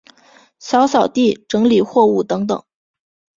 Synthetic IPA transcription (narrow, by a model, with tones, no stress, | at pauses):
ɕjɑ˧˥ʊsɑ˨˩ʊt̪i˥˩ʈ͡ʂɤ˧˥ŋli˨˩xwɔ˥˧u˥˩t̪ɤ˧˥ŋt̪ɤ̰˨˩˦ŋ